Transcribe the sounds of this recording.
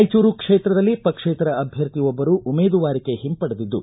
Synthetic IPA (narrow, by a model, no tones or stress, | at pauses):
jt͡ʃuːɾukʂeːt̪ɾɐd̪ɐlːipɐkʂeːt̪ɾɐːbʱjɐɾt̪iʋɔbːɐɾuʔumeːd̪uʋaːɾikeɦimpɐɽɐd̪id̪ːu